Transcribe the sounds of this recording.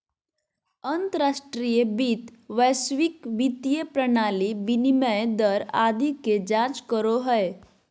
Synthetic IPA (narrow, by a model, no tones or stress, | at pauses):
ənt̪əɾasʈɾijəbit̪ʋəjsʋikʋit̪ijəpɾənaːlibiniməjd̪əɾa̰d̪iked͡ʒãt͡ʃkəɾoɦəe